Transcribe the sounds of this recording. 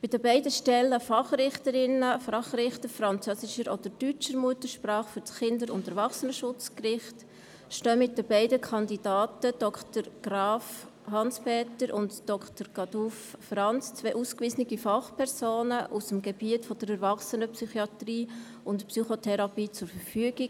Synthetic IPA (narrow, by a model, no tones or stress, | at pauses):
b̥ɪdəbɛɪdəʃtɛlːəfɑχɾɪχtəɾɪnəfɾɑχrɪχtəɾfɾɑnt͡sœsɪʃəɾɔd̥əɾdyt͡ʃəɾmuətəʃpɾɑːχfʏɾt͡sχɪndəɾʊndɛɾvɑχsənəʃʊt͡skrɪχt | ʃtøːmɪt̚dəbɛɪdəkʰɑndidaːtəd̥ɔktəɾɡ̥ɾɑːf | hɑnspɛːtəɾʔʊntd̥ɔkχtəɾɡ̥ɑdufːrɑnt͡st͡sʋeːʔuskviːsənɪɡifɑχpʰɛɾsoːnəʔusəmɡeb̥iətfɔdəɾɛɾvɑχsənəpsyχiɑtriː | ʊntpsyχotʰɛɾɑpiːt͡sʊɾfəɾfyəɡ̥i